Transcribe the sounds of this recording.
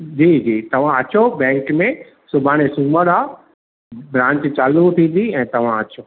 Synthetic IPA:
d͡ʑiːd͡ʑiːt̪ɐʋ̤ãɐt͡ɕʰobɛ̃ːŋkmẽ | sʊbʱaːɽ̃esũːməɽa | bɾãːɲt͡ɕt͡ɕaːlũt̪ʰĩːn̆d̪iɛ̃ːt̪ɐʋ̤ãɐt͡ɕʰoː

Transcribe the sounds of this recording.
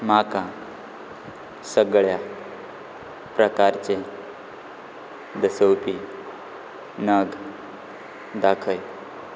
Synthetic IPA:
makã | səɡɭja | pɾəkaɾt͡ɕe | d̪əsəwpi | nəɡ | d̪akʰəj

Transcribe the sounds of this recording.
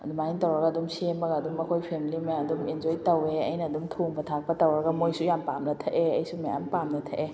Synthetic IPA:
ɐ̰dumajintɐwɾɐɡɐːdumsembɐɡɐːdumɐkʰojpʰemilimɐɐdumend͡ʒojtɐweɐ̰jnɐːdumtʰoŋbɐtʰak̚pɐtɐwɾɐɡɐmojsujampamnɐtʰɐʔeɐjsumɐja̰mpamnɐtʰɐʔe

